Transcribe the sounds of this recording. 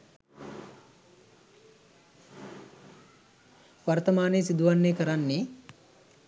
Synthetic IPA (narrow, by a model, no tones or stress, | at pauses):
ʋart̪əmaːnesid̪uʋanːeːkəɾanːe